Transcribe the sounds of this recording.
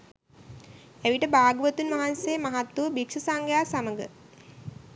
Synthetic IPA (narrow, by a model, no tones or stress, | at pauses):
æʋiʈəbaːɡəʋət̪unʋaɦansejːmaɦat̪ːuʋəbikʂəsaŋɡəjaːsaməɡə̰